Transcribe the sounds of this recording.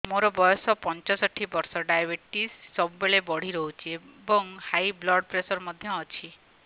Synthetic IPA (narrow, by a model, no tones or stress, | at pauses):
moɾɔbɔjɔsɔpɔnt͡ʃɔsɔʈʰibɔɾsɔɖajabeʈisːɔbubeɭebɔɽ̤iɾɔɦut͡ʃʰiebɔŋhajblɔɽpɾesɔɾmɔd̪ʱjɔːt͡ʃʰi